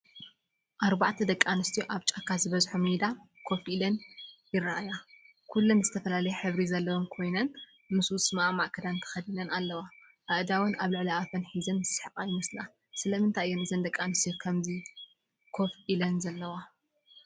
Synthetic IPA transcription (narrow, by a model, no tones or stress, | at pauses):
ʔaɾbaʕt̪ʰɐd̪ɐkʼːanɨst̪ʰijoʔaβt͡ʃʼakʰːazɨβɐzħomid̪akʰo̞fʔilɐnjɪraʔaja | kʰulːunzɨt̪ʰɐfɐlalɐjɛħɨβɾizɐlːɐwomkʰo̞jnɐn | mɨswʊsʼɨmʔamaʔkʰɐd̪ant̪ʰɐ̥xɐd̪ilɐnalːɐwa | ʔaʔd̪awɐnaβlɨʕliat̪ʰɐnħizɐnɨsħɨkʼajɪmɐsla | sɨlɐmɨnt̪ʰaʔjːonɨzɐnd̪ɐkʼːanɨst̪ʰijokʰɐmzi | kʰo̞fʔilɐnzɐlːɐwa